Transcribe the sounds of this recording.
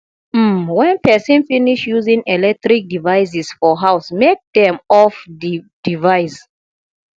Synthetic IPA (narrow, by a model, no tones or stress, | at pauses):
m̩wɛ̃npɛsĩnfiniʃjuzĩŋɛlɛk̚tɾik̚divaɪs̬isfɔɦaʊsmek̚dɛ̃mɔfdid̥ivaɪs